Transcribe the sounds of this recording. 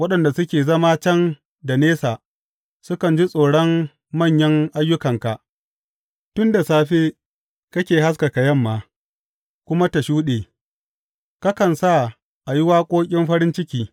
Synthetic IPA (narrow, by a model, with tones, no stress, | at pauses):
wɐ˦ɗɐ˨nda˨sʊ˦kʲeː˨zɐ˦maː˦t͡ʃɐ˦n | da˨neː˦saː˨ | sʊ˦kɐ˨nd͡ʒi˦sʼoː˨ɽɔ˦mː | ɐ˦˨ɲjɐ˦ŋʔa˦jːʊ˦kɐ˨ŋka˨ʔ | tʊ˦nda˨saː˦ɸeː˦ | kɐ˦kʲeː˨ɦa˦s̬ka˨ka˨jɐ˦mːaː˨ | kʷʊ˦ma˦ta˨ʃuː˦ɗeː˨ | ka˦kɐ˨nsa˦˨ | ʔa˨jɪ˦waː˦kʷʼoː˦kʲʼɪ˦mɸɐ˦ɾɪ˦nt͡ʃɪ˦kʲiː˦